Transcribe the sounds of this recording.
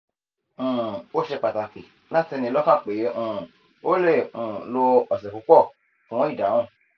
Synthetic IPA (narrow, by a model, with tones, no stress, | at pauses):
o˦ʃe˧k͡pa˨ta˨ki˨ | la˦ti˧nĩ˧lɔ˦ka˦˨k͡pe˨˦ũ˨ | o˦le˦˨ũ˨lo˧ɔ˨sɛ˨ku˨˧˦k͡pɔ˦˨ | fũ˨˦ɔ̃˦i˦˨da˨˦wũ˦˨